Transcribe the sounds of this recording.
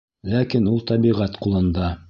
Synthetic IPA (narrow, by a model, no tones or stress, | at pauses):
lækinulˠt̪ɑbiʁæt̪qulˠɤ̆nd̪ɑ